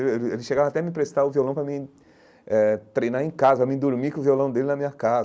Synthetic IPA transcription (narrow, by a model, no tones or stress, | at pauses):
eelelɪsʃeɡavɐ̃at̪ɛɐmɪpɾest̪aʊviolɐ̃w̃pɾɐmɪ | ɛt̪ɾejnaɾẽkazɐɐmĩd̪uɾmikõʊ̃violɐ̃w̃d̪elɪnɐmĩɲɐkaz